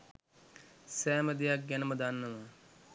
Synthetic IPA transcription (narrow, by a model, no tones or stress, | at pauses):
sæːməd̪ejak̚ɡænəməd̪anːəʋə